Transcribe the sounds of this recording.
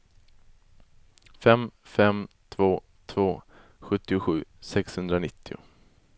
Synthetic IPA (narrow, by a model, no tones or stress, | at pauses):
fɛmfɛm | t̪ʰvoː | t̪ʰvoː | ɧɵt̪ːɪʊɧʉ̟ːsɛkshɵnd̪ɾanɪt̪ʰːɪʊ̰